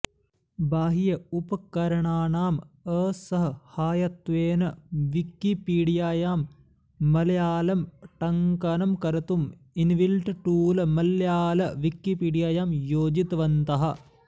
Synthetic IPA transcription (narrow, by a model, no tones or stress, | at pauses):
baːɦijɐupɐkɐɾɐɳaːɳaːməːsɐɦɐhaːjɐt̪ʋeːnɐʋikːipiːɽijaːjaːmː | ɐlɐjaːlɐmʈɐŋkɐnɐmkɐɾɐt̪um | inʋilʈʈuːlɐmɐljaːlɐʋikːipiːɽijaːjaːmjoːd͡ʒit̪ɐʋɐnt̪ɐɦɐ